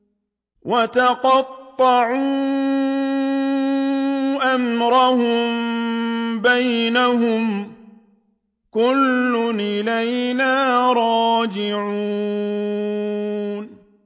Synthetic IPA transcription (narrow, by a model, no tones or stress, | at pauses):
wʔat̪aqɑt̪ˤːɑʕuː | ʔamɾahʊm | bajnaɦʊm | kʊlːʊnʔɪlajnaːɾˤɑːd͡ʒɪʕu | n